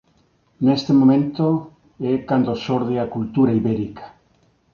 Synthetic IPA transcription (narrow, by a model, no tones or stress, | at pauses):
nest̪emomẽnt̪o | ɛkand̪osoɾðeakult̪uɾaiβeɾikḁ